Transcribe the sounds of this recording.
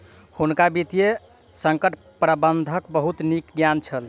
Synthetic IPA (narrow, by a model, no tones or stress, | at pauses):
hunkabit̪ije | səŋkəʈʰ | pɾəbənd̪ʱəkbəɦut̪nikɡjant͡ʃʰəl